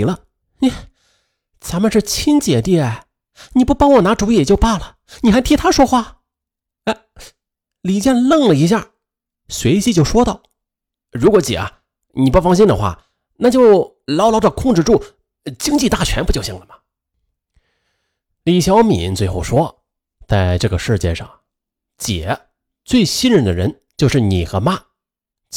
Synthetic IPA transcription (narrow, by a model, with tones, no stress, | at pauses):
lə˦˥˩ | t͡sa˧˥nmə˨˧ʂɻ̩˥˩t͡ɕʰi˥nt͡ɕjɛ˨˩t̪i˥˩ɛ˨˩ | ni˨˩pu˥˩pɑ˥ŋwɔ˨˩na˧˥ʈ͡ʂu˧˥ɛ˨˩t͡ɕjo˥˧ʊpa˥˩lə˩ | ni˨˩xa˧˥ɪt̪ʰi˧˥t̪ʰa˥ʂwɔ˥xwa˥˩ | a˧˩ɪ | li˨˩t͡ɕjɛ˥˧nlɤ˥˩ŋlə˩i˧˥ɕ̬ja˥˩ | swe˧˥ɪt͡ɕi˥t͡ɕjo˥˩ʊʂwɔ˥t̪ɑ˥˩ʊ | ɻu˧˥kwɔ˧˥t͡ɕḭ˨˩ɐ̰˧˩ | ni˨˩pu˥˧˩fɑ˥˧ŋɕ̬i˥˩nd̪ə˨xwa̰˥˩ | na˥˧˩t͡ɕjo˥˩ʊ | lɑ˧˥ʊlɑ˧˥ʈ͡ʂə˧kʰʊ˥˧ŋʈ͡ʂɻ̩˥˧ʈ͡ʂu˥˩ | t͡ɕi˥ŋt͡ɕi˥˧t̪a˥˩t͡ɕʰɥɛ˧˥npt͡ɕjɕi˥˩ŋlə˩mɐ˩ | li˨˩ɕjɑ˧˥ʊmi˨˩˦nt͡swe˥˧xo˥˩ʊʂwɔ˥ | t͡sa˥˧ɪʈ͡ʂɤ˥˩ɡə˩ʂɻ̩˥˩t͡ɕjɛ̰˥˧ʂɑ̰˥˩ŋ | t͡ɕjɛ̰˨˩˦ | t͡swe˥˩ɪɕi˥nɻə˧˥nd̪ə̰˧ɻə˧˥n | t͡ɕjo˥˧ʊʂɻ̩˥˩ni˨˩xɤ˧˥ma˥˩